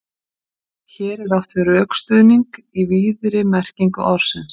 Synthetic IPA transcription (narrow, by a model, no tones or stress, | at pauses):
çɛːɾɛɾawht̪vɪɾœːkst̪ʏðniŋkiviːðɾɪmɛr̥ciŋkʏʔɔɾ̥sɛns